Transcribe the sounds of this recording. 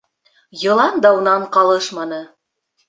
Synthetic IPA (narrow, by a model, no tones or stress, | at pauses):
jɤ̆lˠɑnd̪ɑunɑɴqɑlˠɤʃmɑnɤ